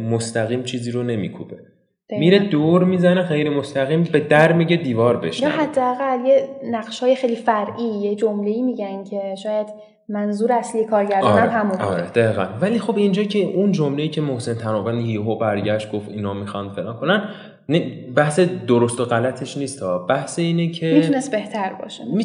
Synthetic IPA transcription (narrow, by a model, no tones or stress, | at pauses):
most̪æɣiːmt͡ʃʰiːziːɾone̞mḭːkʰṵbe | d̪̥miɾed̪oɾmiːzænexejɾemost̪æɣiːmbe̞d̪æɾmiɟed̪iːvɒːɾbe̞̰ʃjɒːɦæd̪ːeːɣæljenæɣʃhɒːjexejlifæɾʔiːjed͡ʒomle̞iːmiɟæncʰe̞ʃɒːjæd̪̥ | mænzuːɾeæslijekʰɒːɾɡæɾd̪ɒːnæɾmɦæmubɒ̰ːɾed̪̥æiːɣæ̰nvæliːxo̞bind͡ʒɒːcʰeʔund͡ʒomle̞iːcʰe̞mohse̞nt̪ʰænɒːvænhiːɦobæɾɟæʃt̪̚ɡ̥o̞ft̪inhɒːmixɒnd̪̥felɒːnkʰonæn | nibæhse̞d̪oɾost̪o̞ɣælæt̪ʰe̞ʃniːst̪ʰɒːbæhseiːnecʰe̞mit̪ʰunest̪̚be̞ht̪ʰæɾbɒ̰ːʃei